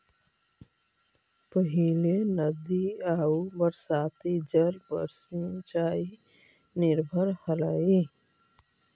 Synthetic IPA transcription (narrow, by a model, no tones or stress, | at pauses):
pəɦilenəd̪iaːubəɾsaːt̪id͡ʒəɾbə̰ɾsint͡ʃaːi | nɪɾbʱəɾhəlaːi